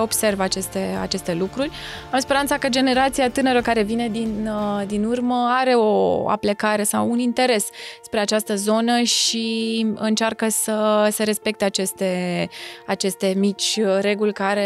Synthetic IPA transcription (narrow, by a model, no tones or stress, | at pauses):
o̞bse̞rvat͡ʃe̞st̪ea̰t͡ʃe̞st̪e̞lukɾurʲamspeɾant̪sakəd͡ʒe̞ne̞ɾat̪siat̪ɨnəɾəkaɾe̞vine̞d̪ind̪inurməaɾe̞o̞a̰plekaɾe̞sawunint̪e̞ɾe̞sspɾe̞at͡ʃast̪əzo̞nəʃiɨnt͡ʃarkəsəse̞ɾe̞spe̞k̚t̪e̞at͡ʃe̞st̪e̞ | at͡ʃe̞st̪e̞mit͡ʃʲɾe̞ɡulʲkaɾe